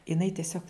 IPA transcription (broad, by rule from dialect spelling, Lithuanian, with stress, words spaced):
ɪˈnɐɪ tʲɪˈsʲoːk